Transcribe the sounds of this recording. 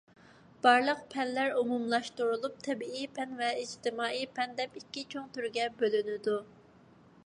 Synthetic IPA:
b̥ɑɾlˠəq̚pʰɛnlːæɾumumlˠɑʃt̪uɾulˠup̚t̪ʰɛbiipʰɛnvɛid͡ʒt̪ɪmɑːijpʰɛnd̪ɛpikʲːit͡ʃʰoŋt̪ʰyɾɡʲɛbølynɪd̪u

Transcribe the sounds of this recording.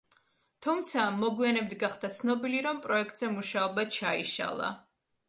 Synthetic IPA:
t̪ʰumt̪sʰamɔɡwianɛb̚d̪ɡaχd̪at̪sʰnɔbiliɾɔmpʼɾɔɛk̚ʰt̪ʼzɛmuʃaɔbat͡ʃʰaḭʃa̰lˠa̰

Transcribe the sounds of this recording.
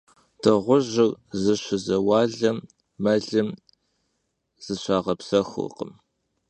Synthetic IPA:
d̥ʰɐʁʷʊʑɪrzɨɕʷɪzɐwɑːɮɐmː | ɐɮɨm | z̥ɨɕʷʰaːʁɐpsɐxʷɨ̰qə̰m

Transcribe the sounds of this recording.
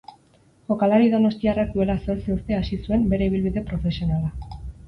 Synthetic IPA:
xo̞kalaɾiðo̞no̞st̪iarak̚d̪ue̞laso̞ɾt͡seuɾt̪e̞asisue̞mbe̞ɾe̞iβ̞ilβiðe̞pɾo̞fe̞sio̞nala

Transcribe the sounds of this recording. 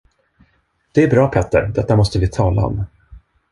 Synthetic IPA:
d̪̥ɛæɾbɾɑːpʰɛt̪ːə̰ɾd̪ɛt̪ːamɔst̪əvɪt̪ʰɑːla̰ɔ̰m

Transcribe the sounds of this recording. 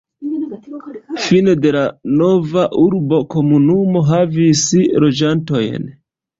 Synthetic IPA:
fine̞de̞lano̞vaʔuɾbo̞ko̞munumo̞ɦavisilo̞d͡ʒanto̞jn

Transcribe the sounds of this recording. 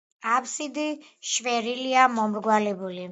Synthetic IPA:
apsid̪i | ʃvɛɾiliamɔmɾɡwalɛbuli

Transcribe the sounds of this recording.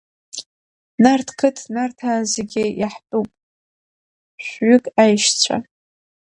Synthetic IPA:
nartʰkʰɨtʰnartʰaːzeɡʲɪjaħpʼupʼ | ɕʷɥʏkʼajʃt͡sʷʰa̰

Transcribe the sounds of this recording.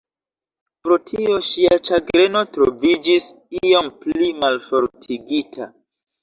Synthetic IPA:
pɾo̞tʰio̞ʃiat͡ʃaɡɾe̞no̞tɾo̞vid͡ʒis | iomplimalfo̞ɾtʰiɡitʰa̰

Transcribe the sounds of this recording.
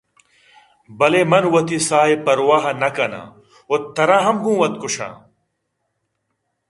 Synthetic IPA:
bɐleːmɐnwɐt̪isaːepɐɾwaːɦɐnɐkɐna̰ː | ot̪ːɐɾãːɦɐmɡũːwɐt̪kʊɕã̰ː

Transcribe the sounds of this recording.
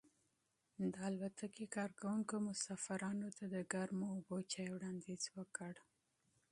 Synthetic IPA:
d̪əalbat̪ʰakekɑɾkawuŋkomʊsɑfaɾɑnot̪ad̪əɡaɾmoːbot͡ʃɑjwɽɑnd̪izwəkəɽ

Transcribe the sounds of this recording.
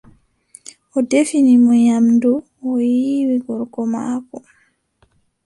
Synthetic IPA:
ʔɔdefinimɔjamdu | ɔjiwiɡɔɾkɔma̰kɔ

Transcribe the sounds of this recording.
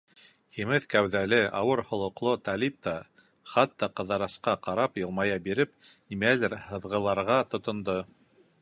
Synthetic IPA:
himɘðkæwðælɘɑwɤɾhŏlˠŏqlˠot̪ælip̚t̪ɑ | χɑt̪ːɑqɤ̆ðɑɾɑsqɑqɑɾɑpjɤ̆lˠmɑjɑbiɾɘp̚ | nimælɘɾhɤ̆ðʁɤ̆lˠɑɾʁɑt̪ŏt̪ŏnd̪o

